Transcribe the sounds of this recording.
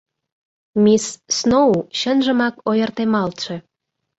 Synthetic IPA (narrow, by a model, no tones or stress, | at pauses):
misːnouɕənʒə̆mɑkojə̆rt̪emɑlt̪ʃe̽